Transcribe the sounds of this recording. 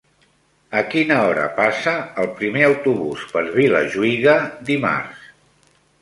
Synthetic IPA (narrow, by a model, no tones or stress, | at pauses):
əkinəɔɾə̰pasəːlˠpɾimeəwt̪uβuspəɾβilə̰ʒuiɣəd̪ima̰rs